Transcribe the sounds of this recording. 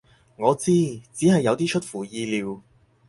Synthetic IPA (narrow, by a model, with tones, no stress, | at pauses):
ŋɔː˨˧t͡siː˥t͡siː˨˥ɦɐ˨jːɐ˨˧wt̪iː˥t͡ʃʰt̚fuː˨˩jiː˧liː˨˧w